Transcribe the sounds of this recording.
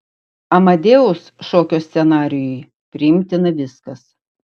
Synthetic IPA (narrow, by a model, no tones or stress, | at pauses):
ɐmɐd̪ʲeːʊsʃoːkʲoːsʲt̪sʲɛnɑːɾʲɪjʊj | pʲɾʲɪɪmʲt̪ʲɪnɐʋʲɪskɐs